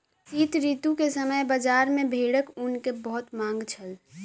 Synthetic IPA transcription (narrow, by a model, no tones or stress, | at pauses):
siːt̪ɾiːt̪ũkesəməjbəd͡ʒaːɾmẽbʱeːɽəkʊnkebəɦʊt̪mãːŋɡt͡ʃʰəl